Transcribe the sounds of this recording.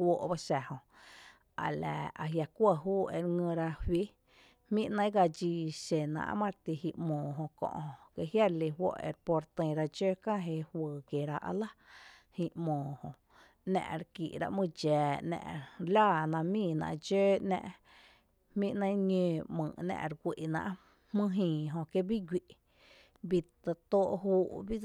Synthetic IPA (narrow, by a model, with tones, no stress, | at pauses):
wo˧ʔba˦ʃæ˨hõ˧ | a̰˨la̰˨a˨ɦja˧kʷə˧˨ɦuː˦e˧ɾŋə̃˧ɾa˧hwi˦ | hmĩ˦ʔnə̃˦ɡa˧d͡ʒiː˧ʃe˨nã̰˧ʔmã˦ɾt̪i˧hi˧ʔmõː˨ɦõ˧kõ̰˧ʔhõ˧ke˧ʔhja˦ɾli˧ɦwo̰˦ʔḛ˧ɾpo˧ɾt̪ə̃˧˨ɾa˧d͡ʒeː˦kã˦ɦe˧hwəː˨kje˨ɾa˧ʔa̰˧la˦hĩ˧ʔmõː˨hõ˧˨ | nɛ̰̃˧ʔɾkḭ˨ʔɾa̰˧ʔmɨ̃˧d͡ʒɛː˨nɛ̰̃˧ʔlaː˦˧˨nã˧mĩː˧˨nã̰˧ʔd͡ʒeː˦nɛ̰̃˧ʔ | hmĩ˦ʔnə̃˦j̃ɲẽː˧mɨ̃˨nɛ̰̃˧ʔɾɡʷi˨ʔnã̰˧ʔ | hmɨ̃˦ɦĩː˨ɦõ˧ke˧bi˦ɡʷi˧ʔ | bi˧t̪a˧t̪o˦ʔɦuː˦ʔbi˦